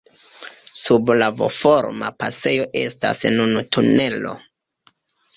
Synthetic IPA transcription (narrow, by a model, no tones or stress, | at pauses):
sublavo̞̰fo̞ɾmapase̞jo̞ʔe̞sta̰snunutʰune̞lo̞̰